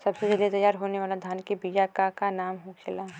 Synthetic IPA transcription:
sɐbsed͡ʒɐlet̪ɐjːaːɾɦoːneʋaːlad̪ʱaːnkibijakakanaːmɦoːkʰɪlaɦ

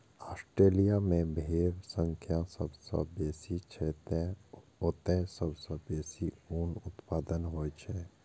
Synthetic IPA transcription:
aːsʈɾeːlijamẽbʱeːɾsə̃ŋkʰjasəbsə̰beːsit͡ʃʰet̪eot̪ẽsəbsəbeːsiuːnʊt̪paːd̪ənɦoːjt͡ʃʰɛ

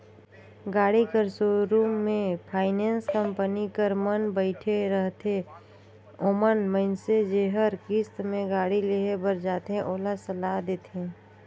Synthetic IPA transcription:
ɡaːɽikəɾsoːɾuːmːẽpʰaːɪnẽːnskə̃mpənikəɾmənbəɪʈʰeɾəɦt̪ʰe | omənməɪnsed͡ʒeːɦəɾkɪst̪mẽɡaːɽileɦebəɾd͡ʒaːt̪eɦɛ̃ʔoːlasəlaːd̪eːt̪ɛ̃ː

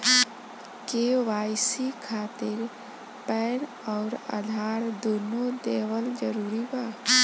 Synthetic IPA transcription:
keʋaːjsikʰaːt̪ɪɾ | pɛːn | ɔːɾa̰ːd̪ʱaːɾd̪unod̪eːwəld͡ʒəɾuːɾibaː

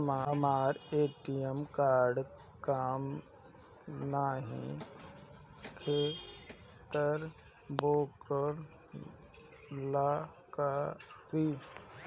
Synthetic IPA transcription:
mamaːɾeːʈijəmkaːɾɖ | kaːm | naɦḭ̃ | kʰeː | t̪əɾ | boːkəɾ | laːkapiː

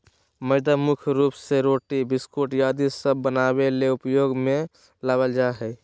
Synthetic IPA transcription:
məɪd̪əmukʰɾuːpseɾoːʈibɪskoːʈjaːd̪isəbːənabeleʊpjoːɡmẽ | laːbəld͡ʒaɦɛ

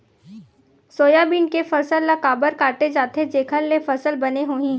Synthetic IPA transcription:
soːjabiːɳkefəsəlːəkaːbəɾkaːʈed͡ʒaːt̪ʰed͡ʒeːkʰəlːefəsəlbɐneɦoːĩː

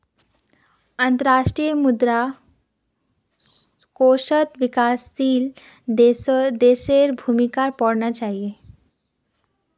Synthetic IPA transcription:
ənt̪əɾaʂʈɾijəmud̪ɾa | koɕət̪ʋikast̪iːl | d̪eseɾbʱumikaɾpɔɽɳat͡ɕaɦie

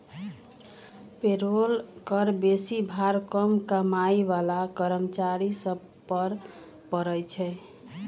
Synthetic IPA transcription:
peɾolkəɾbesibʱaɾkəmkəmaiʋalakəɾəmt͡ʃaɾisəb | pəɾ | pəɾəjt͡ʃʰɛ

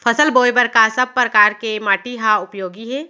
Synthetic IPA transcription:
pʰəsəlboːjbəɾkasəb̚pɾəkaːɾkemaːʈiɦaʊpjoːɡiɦɛː

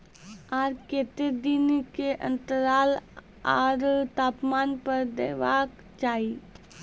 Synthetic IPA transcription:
aːɾkeːt̪ed̪inkeʔə̰̃nt̪əɾaːl | aːɾt̪aːpmaːnpəɾd̪ḛːʋaːɡ | t͡ʃaːi

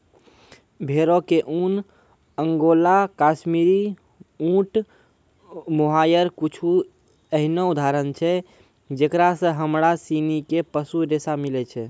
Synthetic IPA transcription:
bʱeɾokeʔun | əŋɡolakasmiɾi | ũʈ | moɦajəɾkut͡ʃʰu | əɦinoud̪ʱaɾənt͡ʃʰɛ | d͡ʒekɾasə̃ɦəmɾasinikepəsuɾesamilɛt͡ʃʰɛ

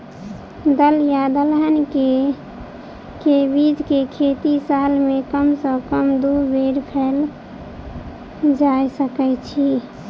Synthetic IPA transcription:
d̪əljad̪əlɦənke | kebid͡ʒʱkekʰet̪isalmekəmsə̃kəmd̪ubeɾpʰɛl | d͡ʒajsəkɛt͡ʃʰi

